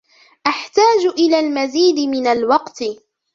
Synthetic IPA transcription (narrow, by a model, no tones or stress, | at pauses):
ʔaħt̪aːd͡ʒʔɪlaːlmaziːd̪ɪmɪnalwɑqt̪ɪ